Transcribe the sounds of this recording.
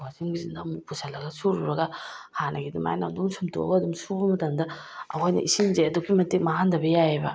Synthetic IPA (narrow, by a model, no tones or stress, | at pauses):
waziŋɡizindamipusalɐɡɐsuɾuɾɐɡɐhanɐɡidima̰jna̰mduŋsumtʰo̰bɐdumsubɐmɐtɐmdɐ | ɐ̰hojnɐ̰ʔisimzeɐdukʰimɐtik̚maɦandɐbɐjajebɐ̰